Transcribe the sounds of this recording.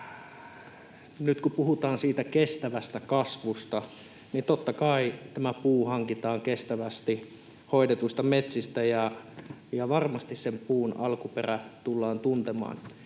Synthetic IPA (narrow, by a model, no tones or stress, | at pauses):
nyt̪kupuhut̪ɑːnsiːt̪ækest̪æʋæst̪ækɑsʋust̪ɑ | nit̪ot̪ːɑkɑit̪æmæpuːhɑŋkit̪ɑːŋkest̪æʋæst̪i | hoidet̪uist̪ɑmet̪sist̪æjɑ | jɑʋɑrmɑst̪issempuːnɑ̰lkuperæt̪ulːɑːnt̪unt̪emɑ̰ːn